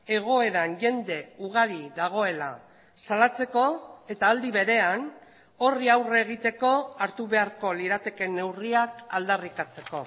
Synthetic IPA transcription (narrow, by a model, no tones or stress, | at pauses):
e̞ɣ̞o̞e̞ɾaŋʝe̞nd̪e̞uɣ̞aɾiðaɣ̞o̞e̞la̰ | salat͡se̞ko̞e̞t̪aːld̪iβe̞ɾe̞an | o̞riawreɣ̞it̪e̞ko̞aɾt̪uβe̞aɾko̞liɾat̪e̞ke̞nːe̞wriakald̪arikat͡se̞ko̞̰